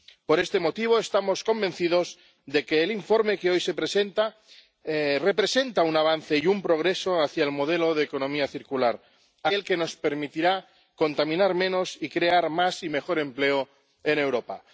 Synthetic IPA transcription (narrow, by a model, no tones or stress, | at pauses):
po̞ɾest̪e̞mo̞t̪iβ̞o̞est̪amo̞sko̞mbe̞n̟θiðo̞z | ðe̞keːliɱfo̞ɾme̞keo̞jse̞pɾe̞se̞nt̪a | re̞pɾe̞se̞nt̪aunaβ̞an̟θe̞jumpɾo̞ɣ̞ɾe̞so̞aθjaelmo̞ð̞eloð̞eko̞nõ̞miaθiɾkulaɾ | aelke̞no̞spe̞ɾmit̪iɾa | ko̞nt̪amĩnaɾmẽ̞no̞sikɾe̞aɾmasime̞xo̞ɾe̞mpleo | ene̞wɾopa